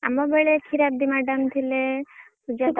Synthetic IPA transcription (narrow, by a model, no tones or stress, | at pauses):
a̰mɔbeɭekʰiɾab̚d̪imaɖəmt̪ʰile | sud͡ʒat̪